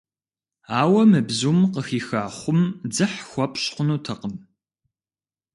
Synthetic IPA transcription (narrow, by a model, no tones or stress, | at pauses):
aːwɐmɨbzuːmqəxiːxaːχʷʊmd͡zɨħxʷɔpʼɕqʷʊnuːtʰɐqəm